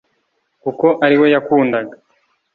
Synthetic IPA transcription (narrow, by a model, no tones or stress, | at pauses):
kuko̞ʔaɾiwe̞jakuːndaɡa